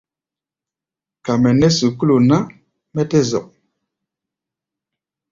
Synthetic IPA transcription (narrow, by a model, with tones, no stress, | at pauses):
ka˨mɛ˨nɛ˦su˨ku˦lu˨na˦ | mɛ˦tɛ˦zɔ̰˨ʔ̚